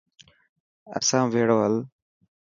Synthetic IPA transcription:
ə̰sãːʋeːɽoːɦəl

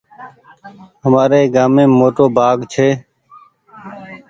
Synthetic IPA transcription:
ɦəmaːɾeːɡaːmẽːmoːʈoːbʱaːɡt͡ʃʰeː

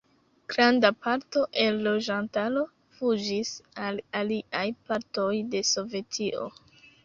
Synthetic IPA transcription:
ɡ̥ɾandapaɾto̞ʔelːo̞d͡ʒantalo̞ | fud͡ʒisalaliajpaɾto̞jde̞so̞ve̞tʰiʔo̞̰

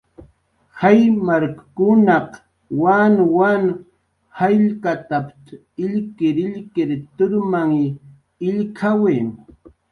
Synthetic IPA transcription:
hajmaɾkakʊnɑq | wanwan | hajʎkat̪apt̪ | ɪʎkɪɾɪʎkɪɾt̪ʊɾmaŋ | ɪʎkʰaweŋ

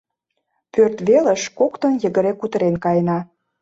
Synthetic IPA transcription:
pørt̪βelə̆ʃkokt̪ə̆njə̆ɣə̆ɾekːut̪əɾenkɑjnɑ

